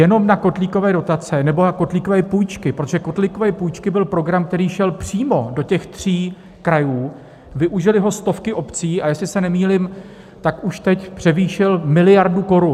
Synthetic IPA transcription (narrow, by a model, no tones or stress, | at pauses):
jɛno̞mnako̞t̪liːko̞vɛːdo̞t̪at͡sɛnɛbo̞ako̞t̪liːko̞vɛːpujt͡ʃkɪpɾot̪oʒɛkot̪liko̞vɛːpujt͡ʃkɪbɪlpɾo̞ɡɾamk̚t̪ɛɾiːʃɛlpr̝̥iːmo̞do̞cɛxt̪r̝̥iː | kɾajuː | vɪʔuʒɪlɪɦo̞st̪o̞fkɪʔo̞pt͡siːajɛslɪsɛnɛmiːlɪm | t̪akʔuʃt̪ɛcpr̥ɛviːʃɪlmɪlɪjaɾduko̞ɾun